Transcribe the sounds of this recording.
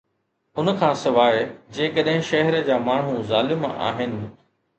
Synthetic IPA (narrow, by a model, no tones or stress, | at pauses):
ʊnəkʰãːsɪʋaːɪd͡ʑeːkəɗɦɪ̃ʃɐɦəɾd͡ʑaːmaːɳ̤ũzaːlɪma̰ːɦɪnɪ̆